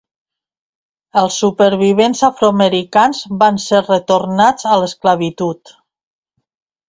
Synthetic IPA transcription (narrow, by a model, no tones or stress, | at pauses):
əlˠsːupəɾβ̞iβ̞enzafɾoaməɾikanzβanseɾrət̪oɾnad͡zələskləβit̪ut̪